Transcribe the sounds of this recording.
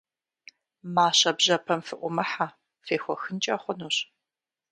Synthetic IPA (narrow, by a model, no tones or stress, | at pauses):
maːɕɐbʑɐpʰɐmfɨʔʷʊmɐħa | feːxʷɔxɨnt͡ʃʼɐχʷɔnuːɕ